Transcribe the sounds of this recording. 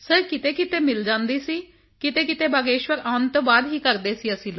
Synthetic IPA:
səɾkɪt̪eːkɪt̪eːmɪld͡ʒãːnd̪iːsiː | kɪt̪eːkɪt̪eːbaːɡeːʃwəɾaːʊnt̪oːbaːd̪ɦiːkəɾd̪eːsiːəsĩːlo

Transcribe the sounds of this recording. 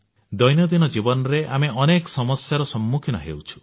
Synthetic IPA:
d̪ɔjnjɔd̪inɔd͡ʒibɔnɔɾeʔameɔnekɔsɔmɔsjaɾɔsɔmːukʰinɔɦḛwt͡ʃʰu̥

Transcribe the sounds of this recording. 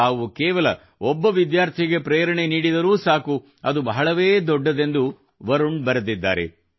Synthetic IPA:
aːʋukeːʋɐlɐ | ɔbːɐʋid̪jaːɾt̪ʰiɡe̞pɾeːɾɐɳeniːɽid̪ɐɾuːsaːku | ɐd̪ubɐɦɐɭɐʋeːd̪ɔɖːɐd̪e̞nd̪u | ʋɐɾuɳɖbɐɾɐd̪id̪ːa̰ːɾḛ

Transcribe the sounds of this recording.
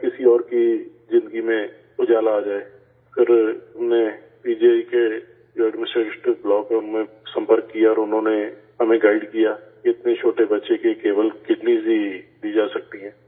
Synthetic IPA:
kɪsiɔːɾki | zɪ̃nd̪əɡimẽ | ʊd͡ʒaːlaːd͡ʒaːe | kɪɾɦɐmne | biːd͡ʒeike | d͡ʒoɛɖmɪnɪsʈɾeːʈeʈɪʋblɔːkmẽ | sɐ̃mpəɾkːijaɔːɾʊnɦõneɦɐmẽɡaɪɖkijaːkiɪt̪net͡ʃʰoːʈebɐtːʃekekeːbəlkɪɖniːzid̪iːd͡ʒaːsɐk̚t̪iɦɛ̃ː

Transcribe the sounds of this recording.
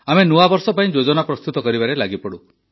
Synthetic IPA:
amenuabɔɾsɔpaĩd͡ʒod͡ʒɔnapɾɔst̪ut̪ɔkɔɾibaɾelaɡipɔɽu

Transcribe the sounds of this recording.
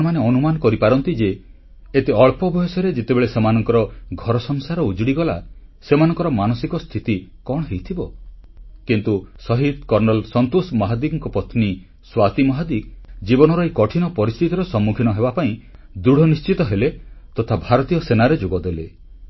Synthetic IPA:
ɔmaneɔnumanɔkɔɾipaɾɔnt̪id͡ʒeː | t̪eɔɭpɔbɔesɔɾed͡ʒet̪ebeɭesemanɔŋkɔɾɔɡʱɔɾɔsɔŋsaɾɔud͡ʒɽiɡɔla̰semanɔ̃ŋkɔɾɔmanɔsikɔst̪ʰit̪ikɔɽɔɦejt̪ʰibɔ | kint̪usɔɦid̪̚kɔɾnɔlsɔnt̪osmɔɦad̪iɡɔŋkɔpɔt̪ʰni | swat̪imɔɦad̪iɡd͡ʒibɔñɔɾɔikɔʈʰinɔpɔɾist̪ʰit̪iɾɔsɔmːukʰinɔɦebapaĩ | d̪ɾuɽ̤ʱɔnist͡ʃit̪ɔɦelet̪ɔt̪ʰabʱaɾɔt̪ijɔsenaɾed͡ʒoɡɔd̪ele

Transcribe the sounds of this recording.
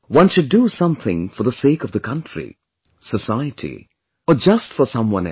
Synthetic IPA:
wʌ̃nʃɨdəsʌ̃mθɪ̃ŋfə˞ðəseɪkʌvðəkʰʌ̃ntʰɹ̥ḭ | səsaɪɨtʰḭ | əd͡ʒʌstfə˞sʌ̃mwʌ̰̃nɛ̰

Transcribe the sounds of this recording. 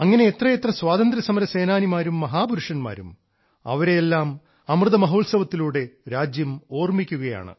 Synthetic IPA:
ɐŋːɐne̞et̪rɐjet̪rɐswaːðɐnd̪ɾɐsɐmɐɾɐse̞ːnaːnimaːɾumːɐɦaːbuɾuʂɐnma̰ːɾum | ɐ̰ʋɐɾe̞jelːaːm | ɐmrɨðɐmɐɦoːlsɐʋɐt̪ːiluːɽe̞ɾaːd͡ʑjɐmo̞ːrmikʲːuɣɐja̰ːɳɨ̰

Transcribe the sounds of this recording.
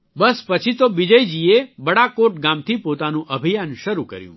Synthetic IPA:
bəspət͡ʃʰit̪oʋid͡ʒəjd͡ʒiebəɽakoʈ̚ɡamt̪ʰipot̪anũʔəbʱijanʃəɾukə̰ɾjṵ̃

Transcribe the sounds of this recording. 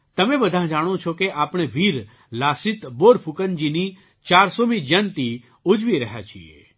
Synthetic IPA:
t̪ɐmẽbəd̪ʱãɦd͡ʒaːɽ̃ot͡ʃʰokeʔaːpɽ̃eʋiːɾ | laːsɪt̪boːɽpʰukənd͡ʒini | t͡ʃaːɾsomĩd͡ʒənt̪i | ud͡ʒʋiɾəɦja̰t͡ʃʰḭḛ

